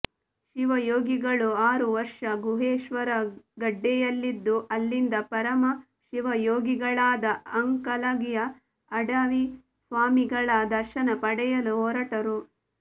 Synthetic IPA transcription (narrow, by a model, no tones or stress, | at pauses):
ʃiʋɐjoːɡiɡɐɭuaːɾuʋɐɾʂɐɡuɦeːʃʋɐɾɐɡɐɖːɛjɐlːid̪ːuʔɐlːind̪ɐpɐɾɐmɐ | ʃiʋɐjoːɡiɡɐɭaːd̪ɐɐŋkɐlɐɡijɐː | ɖɐʋi | sʋaːmiɡɐɭaːd̪ɐɾʃɐnɐpɐɽɛjɐluɦɔːɾɐʈɐɾu